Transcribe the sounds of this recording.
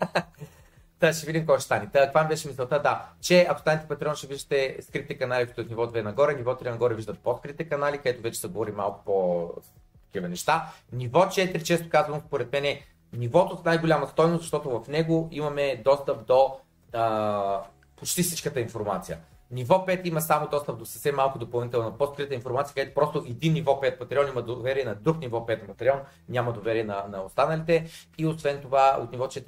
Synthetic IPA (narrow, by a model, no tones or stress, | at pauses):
t̪əʃɛvid̪ʲimkɔjʃt̪ɛ̥st̪anit̪əkvabʲɛʃɛmisɛlˠt̪əd̪at͡ʃɛɐksanɛt̪ɛpɐt̪ɾiɔnʃɛviʒd̪ət̪ɛskɾit̪ɛkɐnalikt̪ːɛt̪nivɔd̪vɛnɐɡɔɾɛnivɔt̪ɾɛnɐɡɔɾɛviʒd̪ət̪̚pot̪kɾit̪ɛkɐnalikɐd̪ɛt̪ovɛt͡ʃɛ̥sɛɡovɔɾima̰lˠkʊ̥po | t̪ɐ̥kivɐnɛʃt̪anivɔt͡ʃɛt̪ɾit͡ʃɛst̪o̥kazvɐnospoɾɛt̪mɛnɛ | nivɔt̪ot̪najɡolʲamɐst̪ɔjnoszɐʃt̪ɔt̪ovɐfnɛɡoimɐmɛd̪ɔst̪əp̚d̪o | ə | pot͡ʃt̪ifsi̥t͡ʃkət̪əinfoɾmat̪sijə̰ | nivɔpɛt̪imɐsamod̪ɔst̪əp̚d̪osəfsɛmːalˠkʊd̪opɐlˠnit̪ɛlˠnɐpost̪kɾit̪əinfoɾmat̪iək̪ɛt̪o̥pɾɔst̪oʔɛd̪inːivɔpɛt̪̚pɐt̪ɾiɔniməd̪ovɛɾiɛnɐd̪ɾuknʲivɔpɛt̪pɐt̪ɾʲiɔn | nʲamɐd̪ovɛɾiɛnɐnɐost̪anəlit̪ɛiosvɛnt̪ovao̰t̪nivɔt͡ʃɛt̪